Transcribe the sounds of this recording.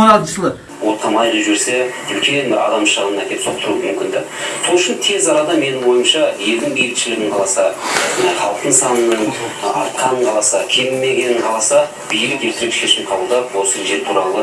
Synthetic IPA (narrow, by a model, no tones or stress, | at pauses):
ɾɑd̪əslˠə | wo̞t̪qʰɑmɑjʁəʒʏɾse | ɵkʲʰe̞nbɪɾɑ̰d̪ɑmʃəʁnənækʲe̞psot̪əɾumʏmkʲɪnd̪ɪ̰ | sʰo̞lˠʏʃɪnt̪ʰe̞zɑɾɑd̪ɑme̞nɪŋwo̞jəmʃɑje̞ld̪ɪŋbejʲɪk̪ʃɪlɪɡʲɪɴqʰɑlˠɑsɑneχɑlˠəq̚t̪ənsɑnənːəɴɑ̰ɾt̪̚qʰɑnəɴqʰɑlˠɑsɑkʲʰe̞mɪmːe̞ɡʲe̞nɪɴqʰɑlˠɑsɑ | b̥ejlɪkʲjet̪ɪɾɪkʃe̞ʃɪmqʰɑbəlˠd̪ɑpwo̞səʒe̞ɾt̪ʰuɾɑlˠə